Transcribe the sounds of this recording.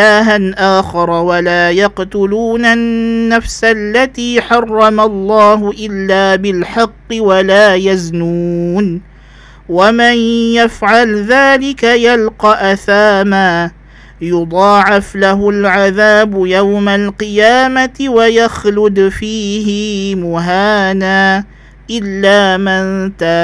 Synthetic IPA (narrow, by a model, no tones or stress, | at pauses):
aːɦanʔaːxɪɾˤɑwalaːjɑqt̪ʊluːnanːafsalːat̪iːħɑrˤːɑmalˤːɑːɦʊʔɪlːaːbɪlħɑqːɨwalaːjaznuːn | wamɪnjafʕalðaːlɪkajalqɑʔaθaːmaː | jʊd̪ˤɑːʕɪflaɦʊlʕaðaːbʊjawmalqɨjaːmatɪwajaxlʊd̪fiːɦɪmʊɦaːnaː | ʔɪlːaːmant̪aː